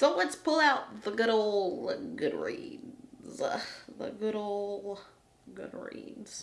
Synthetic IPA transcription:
soʊwə̃nspʰʊlˠaʊt̪̚ðəɡʊɾoʊlˠəɡʊd̚ɹḭ̃nz̥ʌðə̰ɡʊɾoʊlˠ | ɡʊ̰d̚ɹḭ̃nz̥

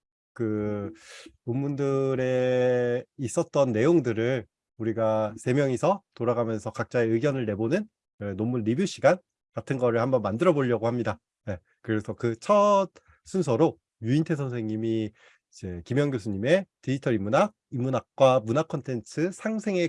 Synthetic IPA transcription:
kɯ | umːundɯɾe̞ | is͈ʌt̚t͈ʌnːe̞joŋdɯɾɯɭ | uɾiɡasʰe̞mjʌŋisʰʌtoɾaɡamjʌnsʰʌkak̚t͡ɕ͈aeɯɡjʌnɯɭne̞bonɯn | enomunɾibjuɕ͈ʰiɡan | katʰɯnɡʌɾɯɭhambʌnmandɯɾʌboʎːʌɡohamɲida | je̞ | kɯɾe̞sʰʌkɯt͡ɕʰʌt̚ | s͈ʰunsʰʌɾo | juintʰes̬ʰʌnsʰe̞ŋɲimi | id͡ʑe̞kimjʌŋɡjosʰuɲime̞tiitʰʌɾimːunaɡ̚imːunak̚k͈wamunakʰʌntʰe̞nt͡ɕʰɯsʰaŋsʰe̞ŋe̞

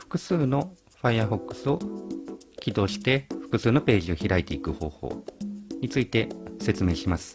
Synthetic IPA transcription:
ɸɯ̥kɯ̟sɨːno̞ | ɸaiaɸo̞kːɯ̟̥sɨo̞ | kʲid̪o̞ːɕi̥t̪e̞ɸɯ̟̥kɯ̟sɨːno̞pe̞ːʑio̞çiɾait̪e̞ikɯ̟ho̞̰ːho̞̰ːɲ̟it͡sɨit̪e̞se̞t͡sɨme̞ːɕimasɨ̥

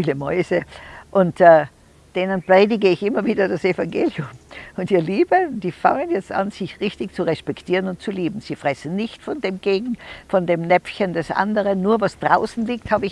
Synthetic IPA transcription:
iːləmɔʏzəʔʊntɛ | d̥eːnənpʁ̥eːdɪɡəɪçʔɪmɐviːdɐdasefaŋɡeːliʊmʊntiːɐliːbəd̥iːfa̰ŋənjɛt͡sta̰nz̥ɪçʁɪçtɪçt͡suʁɛspɛktʰiːʁənʊnt̚t͡suliːbm̩z̥iːfʁ̥ɛsn̩nɪçtfɔndeːmɡ̥eːɡŋ̩fɔndeːmnɛfçəndɛsʔa̰ndəʁənːuːɐvasd̥ʁa̰ʊsn̩liːk̚thaːbəɪç

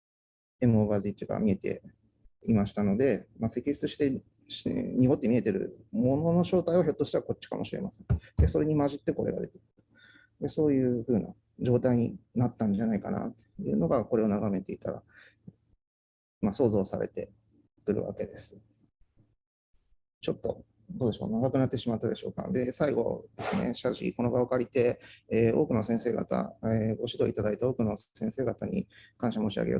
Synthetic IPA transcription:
e̞mɯ̟oːɡazɨit͡ɕiɡa̰mʲie̞t̪e̞̰ | imaɕi̥t̪ano̞d̪e̞mase̞kʲiçi̥t͡sɨɕi̥t̪e̞ | ɲiɡo̞t̪ːe̞mʲie̞t̪e̞ɾɯ̟̰mo̞no̞no̞ɕo̞ːt̪aiβaçot̪ːoɕt̪e̞βako̞t͡ɕːi̥ka̰mo̞ɕiɾe̞masẽ̞nd̪eso̞ɾe̞ɲ̟imaʑit̪ːe̞ko̞ɾe̞̰ɡad̪e̞̰t̪e̞̥kɯɯ̥t̪o̥ | d̪eso̞ːjɯ̟ːɸɯ̟ːna̰ | d͡ʑo̞ːt̪aiɲ̟ḭnat̪ːãɲ̟d͡ʑanaikana̰t̪ːejɯ̟̰ːno̞ɡako̞ɾe̞o̞naɡame̞t̪e̞it̪a̰ɾa̰ | maso̞ːzo̞ːsaɾe̞̰t̪e̞ | kɯ̟ɾɯ̟̰βa̰ke̞d̪e̞sɨ̥ | t͡ɕo̞t̪ːo̞ | d̪o̞ːd̪e̞ɕo̞̰ːnaɡakɯ̟nat̪ːe̞ɕimat̪ːad̪e̞ɕo̞̰ːka̰d̪e̞saiɡo̞̰d̪̥e̞sɨne̞̰ɕaʑḭko̞no̞ɡaokaɾʲit̪e̞eːo̞ːkɯ̟no̞sẽɰ̃se̞ːɡa̰t̪a̰eɡo̞ɕid̪o̞it̪ad̪ait̪eo̞ːkɯ̟no̞sẽ̞ɰ̃se̞ːɡat̪aɲ̟ḭkãɰ̃ɕamo̞ːɕia̰ɡḛo̰

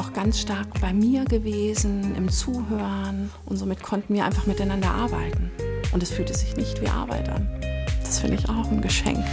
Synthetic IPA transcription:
aʊxɡ̥ansʃtaɐkb̥aɪmiːɐɡəveːzn̩ʔɪ̰mt͡suːɦøːʁʁənʔʊntz̥oːmɪtkʰɔntn̩viːɐʔa̰ɪnfaχmɪtaɪnandɐʔaɐba̰ɪtn̩ʔʊntɛsfyːltəzɪçnɪçtv̥ḭːʔa̰ɐba̰ɪtʔa̰nd̥ḁsfɪndəɪça̰ʊxn̩ɡəʃɛ̰ŋk

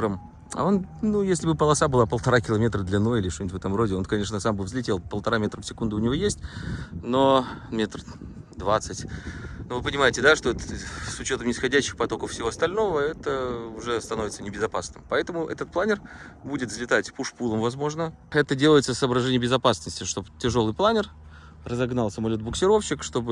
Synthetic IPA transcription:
əm | ɐ̰o̞nnujesʲlʲɪbɨpəlˠɐsabɨlˠapəlˠt̪ɐɾakʲɪlˠɐmʲe̞t̪ɾəd̪lʲɪnːo̞jəɪlʲɪʂt̪onʲtvɛt̪əmɾo̞dʲɪo̞nkɐnʲe̞ʂnəsambɨvzlʲɪtʲe̞lˠpəlˠt̪ɐɾamʲet̪ɾəfsʲɪkund̪ʊːnʲɪvʲo̞jesʲtʲno̞mʲet̪r | d̪vat̪sɨtʲnovɨpənʲɪmajɪtʲɪd̪aʂt̪oɛt̪əsʊt͡ɕo̞t̪əmnʲɪsxɐdʲæɕːɪxpɐt̪okəfsʲɪvoɐst̪ɐlʲno̞vəɛt̪əʊʐɛst̪ɐno̞vʲɪt̪sənʲɪbʲɪzɐpasnɨmpɐɛt̪əmʊʔɛ̰t̪ət̪̚plˠanʲɪrbudʲɪt̪vzlʲɪt̪atʲpuʂpulˠəmvɐzmo̞ʐnə | ɛt̪ədʲelˠəjɪt̪səsəːbɾɐʐɛnʲɪjəbʲɪzɐpasnəsʲtʲɪʂt̪o̞btʲɪʐo̞lˠɨjplˠanʲɪr | rəzɐɡnalˠsəmɐlʲo̞t̪̚bʊksʲɪɾo̞fɕːɪkʂt̪o̞bɨ

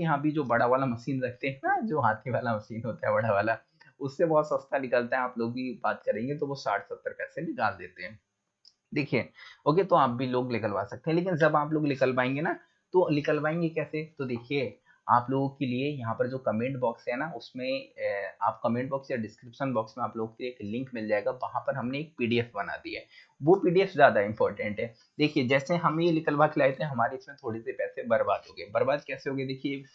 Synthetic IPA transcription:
jɐɦãbʱid͡ʒoːbɐɽ̤aʋaːlamɐʃiːnɾɐkʰt̪eɦɛ̃nad͡ʒoːɦaːt̪ʰiʋaːlamɐʃiːnɦoːt̪aɦɛbɐɽaʋaːla | ʊsːebɔɦːt̪sɐst̪anɪkəlt̪aɦɛ̃aːploːɡ̚bʱibaːt̪kɐɾẽːŋɡet̪̬oʋosaːʈʰsɐt̪ːəɾpɛːsebɪkaːld̪ḛːt̪eɦɛ̃ː | d̪eːkʰieoːket̪oaːp̚bʱiloːɡlɪkəlʋa̰ːsɐk̚t̪eɦɛ̃leːk̬ɪnd͡ʒɐbaːploːɡlɪkəlpaːẽːŋɡena | t̪olɪkəlpaːẽːŋɡekɛːset̪od̪eːkʰie | aːploːɡõkeliejɐɦãpɐɾd͡ʒoːkɐmẽːɳʈbɔːksɦɛnaʊsmẽaːp̚kɐmẽːɳʈ̚bɔːksjaɖɪskɾɪpʃənbɔːksmẽaːploːɡõkelieːklɪ̃ŋkmɪld͡ʒaːeɡaʋɐɦãpɐɾɦɐmneːk̚piːɖiɛfbɐna̰ːd̪iɦɛː | ʋopiːɖiɛfzjaːd̪aɪ̃mpɔːɾʈə̃ɳʈɦɛː | d̪eːkʰied͡ʒɛːseɦɐmjelɪkəlʋaːkʰlaːet̪eɦɛ̃ɦɐmaːɾeɪsmẽt̪ʰoːɽisepɛːsebɐɾbaːd̪ɦoːɡebɐɾbaːd̪̚kɛːseɦoːɡed̪eːkʰie

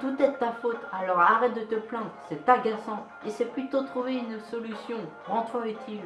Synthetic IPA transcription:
t̪ut̪ɛt̪ːafot̪alɔʁaʁɛt̪̚d̪ət̪əplɛ̃d̪ʁsɛt̪aɡasɑ̃ | esɛplyt̪ot̪χuveynsɔlysjɔ̃ | ʁɑ̃t̪χwayt̪ʰil

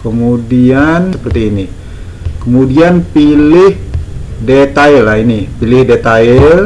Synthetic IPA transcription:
kəmudiansəpərt̪iːni | kəmudianpilɪhdet̪ailaɦinipilɪhdet̪aɪl

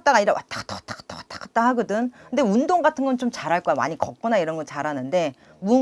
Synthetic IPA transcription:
t͈aɡaɲiɾa̰wʔa̰t͈ḁkt͈akt͈ḁkt͈awat͈ḁk͈at͈aɦaɡʌdɯnkɯnde̞undoŋɡatʰɯnɡʌnt͡ɕomt͡ɕaɾɦaɭk͈ʌama̰ɲikʌk̚k͈ʌnaiɾʌnɡʌt͡ɕaɾanɯnde̞ | mu

